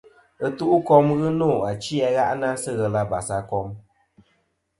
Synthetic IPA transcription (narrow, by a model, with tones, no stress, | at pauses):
ə˦tu˦ʔu˦kɔ˦mɣɨ˦nɔ˦˨a˨t͡ʃi˦ɛ˧˦ɣa˦ʔna˦sɨ˦ɣɛ˧la˦ba˨sa˨kɔ˦m